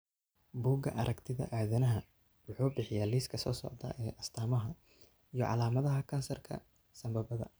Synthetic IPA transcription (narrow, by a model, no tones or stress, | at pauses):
buːɡɐ̰ʔɐɾʔɐkt̪ʰɪðɐ̰ʔaːðɐnɐɦɐ | wʊħuːbɪħɪjaːliːskʰɐsɔːsɔ̰ʕd̪ɐ̰ʔɛːʔɐst̪ʰaːmɐɦɐ | ijɔ̰ʕɑ̰laːmɐðɐɦɐkʰɐnsɐrkʰɐ̰ | sɐmbɐbɐðɐ̰